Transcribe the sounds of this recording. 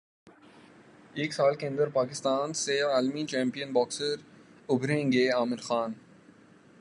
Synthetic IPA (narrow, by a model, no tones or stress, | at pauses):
eːksaːlkeə̃nd̪əɾpaːkɪst̪aːnseaːlmit͡ʃɛ̃ːmpijənbɔːksəɾʊbʱɾẽːŋɡeaːmɪɾxaːn